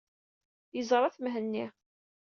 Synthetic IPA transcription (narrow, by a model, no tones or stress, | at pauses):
jəzˤɾˤɑθmɦənːi